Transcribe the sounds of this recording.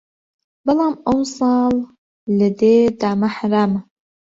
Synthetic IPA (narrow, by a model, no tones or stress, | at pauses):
bɑlɑːmʔəwsˤɑːlː | əd̪eːd̪aːmaħaɾaːma